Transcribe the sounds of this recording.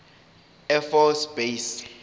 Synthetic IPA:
ɛfɔsbejs

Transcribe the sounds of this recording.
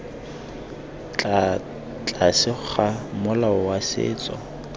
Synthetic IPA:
t͡ɬa | t͡ɬʼasɪk͡xʰamʊlaʊwasɪ̰ːt͡sʼɔ̰

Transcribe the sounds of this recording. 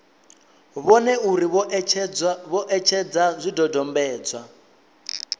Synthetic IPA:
βɔnɛuɾiβ | βɔʔɛt͡ʃʰɛd͡zazʷidɔdɔmbɛːd͡zwa

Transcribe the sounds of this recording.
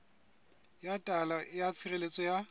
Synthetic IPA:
jatʼalajat͡sʰirelet͡sʼɔja

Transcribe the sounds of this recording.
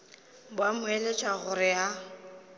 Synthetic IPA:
bwamʊelet͡ʃʼwaɣʊɾɪa

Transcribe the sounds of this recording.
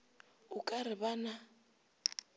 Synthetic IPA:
ʊkʼaɾɪβana

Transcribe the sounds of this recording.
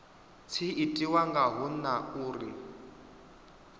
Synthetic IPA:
t͡sʰiitʼiwaŋɡaɦunauːri

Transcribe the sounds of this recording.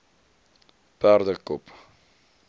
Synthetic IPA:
pærdəkɔp

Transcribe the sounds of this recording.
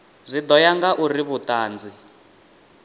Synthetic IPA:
zʷid̪ɔjaŋɡaʔuriβutaːnd͡zi

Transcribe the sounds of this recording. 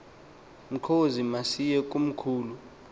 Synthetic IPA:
m̩ǃʰozimasijɛk̬ʼum̩kʰuːlu

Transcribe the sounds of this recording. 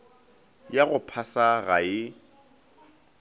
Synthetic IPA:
jaɣʊpʰasaɣaɪ

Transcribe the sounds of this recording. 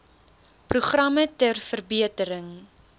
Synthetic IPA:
pruχrɐmətərfərbiətəɾəŋ

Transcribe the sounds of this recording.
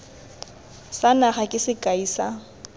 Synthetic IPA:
sanaχakʼɪsɪkʼaiːsa

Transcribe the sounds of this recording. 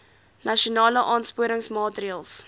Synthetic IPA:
nɐʃionɑːləʔɑːnspuəɾəŋsmɑːtriɑːlˠs

